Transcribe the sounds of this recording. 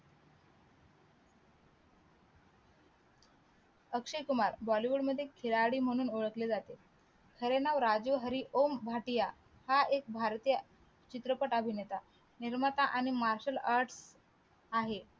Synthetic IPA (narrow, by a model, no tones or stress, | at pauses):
əkʂikumaɾbɔliʋuɽməd̪ʱːjekʰiɭaɽiːm̤əɽ̃uːnoɭəkled͡zat̪e | kʰəɾenaʋɾad͡zuɦəɾiʔombʱaʈija | haek̚bʱaɾt̪ijə | t͡ɕit̪ɾəpəʈəbʱinet̪a | niɾmət̪aʔaɽ̃imaɾɕəlaɾʈs | aɦe